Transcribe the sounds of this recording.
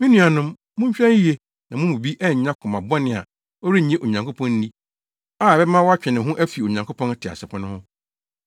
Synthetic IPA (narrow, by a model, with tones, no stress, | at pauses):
mĩ˦nũ˦a˨nʊ̃˦m | mːʊ̃˦ɲ˦ɕᶣɾã˦n˦i˦e˦ | nã˨mʊ̃˦mũ˨bi˦ʔɛ˦˨ɲã˦kʰʊ̃˨ma˨bɔ˦nɪ̃˨a̰˨ | ɔ˦ɾi˦˨ɲẽ˦ʔo˨ɲã˨ŋkʰo˦pʰɔ̃˦n˦nĩ˦ | aː˦˨bɛ˦mã˦wɔ˦a˦t͡ɕᶣɛ̃˨nɪ̃˨ɦʊ̃˦ʔæ˦fi˨o˨ɲã˨ŋkʰo˦pʰɔ̃˦n˦tʰɪ˨a̰˨sɛ˨pʰʊ̃˦nʊ̃˦hʊ̃˦